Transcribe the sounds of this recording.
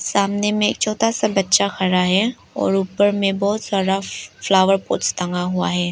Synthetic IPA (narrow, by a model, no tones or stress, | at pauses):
saːmnemẽḛːk̚t͡ʃʰɔːt̪asabɐtːʃaxʰɐɾaɦɛː | ɔ̰ːɾuːpəɾmẽbɔːt̪saːɽaflaːʋəɾpo̰ːtst̪ɐ̃ŋɡaɦua̰ɦɛː